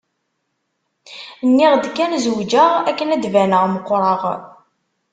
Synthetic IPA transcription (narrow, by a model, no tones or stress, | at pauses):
nːiʁd̪kːænzwd͡ʒəʁækːənæd̪vænəʁməqʷːɾˤɑʁ